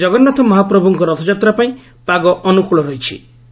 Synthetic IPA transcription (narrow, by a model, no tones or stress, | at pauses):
d͡ʒɔɡɔnːat̪ʰɔmɔɦapɾɔbʱuŋkɔɾɔt̪ʰɔd͡ʒat̪ɾapaĩ | paɡɔʔɔnukuɭɔɾɔɦit͡ʃʰḭ